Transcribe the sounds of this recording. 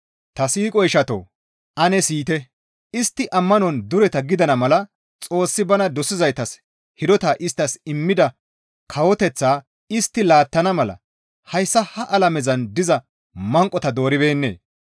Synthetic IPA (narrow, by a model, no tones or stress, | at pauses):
t̪ɐsiːkʼɔjɪʃɐt̪o̰ː | ʔɐnɛsiːt̪ɛ | ɪst̪ːɪʔɐmːɐnɔnd̪ʊɾɛt̪ɐɡɪd̪ɐnɐmɐlɐ | t͡sʼo̞ːsːɪbɐnɐd̪ɔsɪzɐjt̪ɐs | hɪd̪ɔt̪aːʔɪst̪ːɐsɪmːɪd̪ɐ | kʰɐwɔt̪ɛt͡sːaː | ɪst̪ːɪlaːt̪ːɐnɐmɐlɐ̰ | hɐjsːɐhɐʔɐlɐmɛzɐnd̪ɪzɐ | mɐŋkʼɔt̪ɐd̪o̞ːɾɪbe̞ːnːe̞̰ː